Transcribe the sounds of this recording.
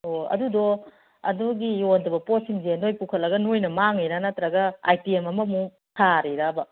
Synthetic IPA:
oɐ̰dudɔ | ɐ̰duɡijondɐbɐposiŋzenojpukʰɐt̚lːɐɡɐnojnɐmaŋejɾanatɾɐɡɐa̰jtiemɐmɐmu | tʰaɾiɾabɐ

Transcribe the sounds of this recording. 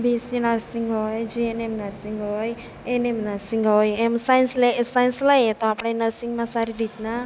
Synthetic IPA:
bisinaɾsiŋɡɔjd͡ʒienemnaɾsiŋɡɔj | enemnəɾsiŋɡɔjemsajnslesajnsləjt̪ɔapɽanəɾsiŋmãsaɾid̪it̪na

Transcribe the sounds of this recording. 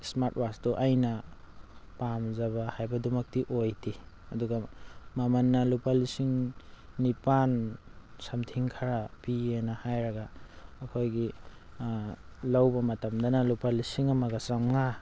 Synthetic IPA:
smaɾtwastɔʔajnɐ | pamzɐβahajbɐdumɐk̚tiʔojti | ɐduɡamamɐnːɐlupalisiŋnipansamtʰiŋkʰaɾapienahajɾɐɡaːkʰojɡi | lawbɐmɐtɐmdɐnalupalisiŋɐmɐɡɐsaŋŋa

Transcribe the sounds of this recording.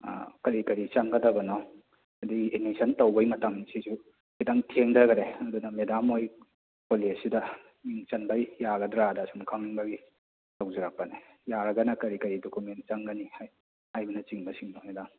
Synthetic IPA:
kɐɾikɐɾit͡ʃɐŋɡɐdɐbɐnɔ | ɐdiɡiʔenisʰɐntɐwbɐjmɐtɐmsizu | kidaŋtʰeŋdɐɡɐɾeɐdunɐmedamoj | koliɐsidɐ | miŋt͡ʃɐnbajjaɡɐdɾadɐsumkʰaŋiŋbɐɡi | tawzɐɾak̚pɐnejaɾɐɡɐnɐkɐɾikɐɾidokumen̚t͡ʃɐŋɡɐnihaj | hajbɐnɐt͡ʃiŋbɐsiŋnɔmedam

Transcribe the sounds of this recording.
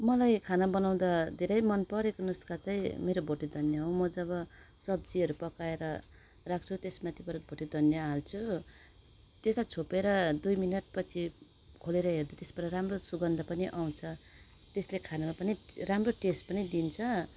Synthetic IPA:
mʌlajkʰanabʌnaw̃d̪ad̪ʱeɾʌjmʌnpʌɾekonuskat͡saĩmeɾobʱoʈid̪ʱʌnjaɦõmʌd͡zʌβʌ | sʌb̚d͡ziʌɾupʌkaeɾʌ | rak̚ʰt͡sʰut̪esmat̪ʰibʌɾʌkbʱoʈid̪ʱʌnjaɦalt͡sʰu | t̪esat͡sʰopeɾʌd̪ujminʌʈ̚pʌt͡sʰi | kʰoleɾʌɦerd̪at̪esbʌɾʌramrosuɡʌnd̪ʱʌpʌniʔaw̃t͡sʰʌ | t̪eslekʰanamapʌniramroʈesʈ̚pʌnid̪int͡sʰʌ

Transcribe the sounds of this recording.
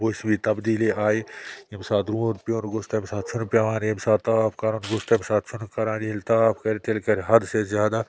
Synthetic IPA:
boːsbit̪ɐbd̪iːliʔaːeimsaːt̪ɾũːnpjoːnɡʊst̪emsaːt̪t͡ʃʰʊnpʲaʋaːnimsaːt̪t̪aːpʰkaɾunɡʊst̪ɐmsaːt̪̚t͡ʃʰʊnkɐɾãːnilt̪aːpʰkɐɾt̪elkɐɾɦɐd̪sezʲjaːd̪a

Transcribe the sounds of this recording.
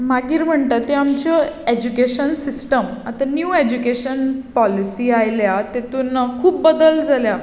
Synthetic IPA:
maɡiːɾm̤əɳt̪at̪eamt͡ɕɔed͡ʑukeɕənsisʈəmat̪anjued͡ʑukeɕənpɔlisiːajljat̪et̪unakʰuːp̚bəd̪əld͡zʱalja

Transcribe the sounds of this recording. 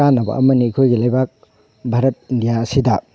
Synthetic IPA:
anːɐbɐ̰ʔɐmɐnikʰojɡilajbak̚ | bʱaɾɐt̚indijaɐsidɐ

